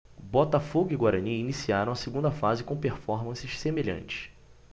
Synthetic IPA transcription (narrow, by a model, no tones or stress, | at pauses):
bɔt̪afoɡʊiɡwaɾɐ̃niinisiaɾɐ̃w̃ɐseɡũnd̪ɐfazɪkõpeɾfɔɾmɐ̃sɪʃsemeʎɐ̰̃nt͡ʃɪ̥ʃ